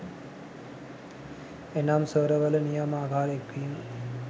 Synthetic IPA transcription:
enaːmsəːɾɐʋɐlɐnijɐmaːbʱaːɾekʋiːm

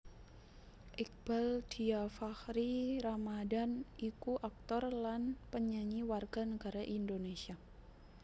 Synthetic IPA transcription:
ʔik̚b̥ald̥iafahɾiɾamadanikuʔak̚t̪ɔrlanpəɲaɲiwarɡ̥anəɡaɾaʔindonesia

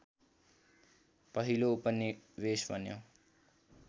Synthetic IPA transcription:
pʌɦiloupʌniwesbʱʌnjo̰

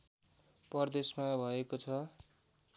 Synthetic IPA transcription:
pʌrd̪esmabʱʌekot͡sʰʌ

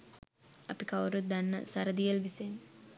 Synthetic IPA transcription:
ɐpikɐwɾud̪ɐnːɐ̰sɐɾɐd̪ijɐlʋisen

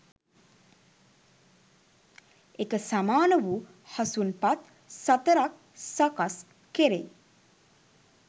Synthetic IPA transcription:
ekəsamaːnəʋu | hasunpat̪ | sat̪əɾak̚ | sakas | keɾḛ

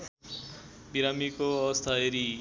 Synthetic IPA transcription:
biɾamikost̪ʰaeɾi

